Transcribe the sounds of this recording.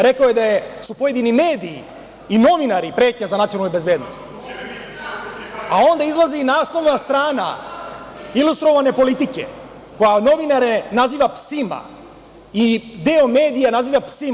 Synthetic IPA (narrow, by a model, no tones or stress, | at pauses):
ɾe̞kaojed̪ajesupo̞jed̪inime̞ːd̪iː | no̞ʋinaɾipɾe̞ːt̪ɲazanat̪ionalnube̞zbe̞ːd̪nost̪ | ao̞nd̪aizlˠaziːnaːslˠo̞ʋnast̪ɾaːna̰ | ilust̪ɾo̞ʋane̞po̞lit̪ikḛ | ko̞jano̞ʋinaɾenaziːʋapsima̰ | id̪eome̞ːd̪ijanaziːʋapsi